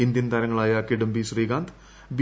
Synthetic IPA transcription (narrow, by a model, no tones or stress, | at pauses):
ind̪jɐnt̪aɾɐŋːɐɭaːjakiɖɐmbisriːɡaːnd̪ | b